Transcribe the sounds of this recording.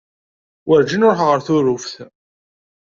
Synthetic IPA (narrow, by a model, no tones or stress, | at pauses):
wʔəɾd͡ʒinʊɾħʁəɾθʊɾʊfθ